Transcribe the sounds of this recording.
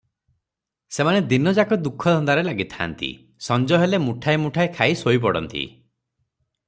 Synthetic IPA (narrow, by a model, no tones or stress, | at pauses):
semaned̪inɔd͡ʒakɔd̪ukʰːɔd̪ʱɔnd̪aɾelaɡit̪ʰa̰nt̪ḭ | sɔnd͡ʒɔɦelemuʈʰajmuʈʰajkʰaisojp̬ɔɽɔ̰nt̪ḭ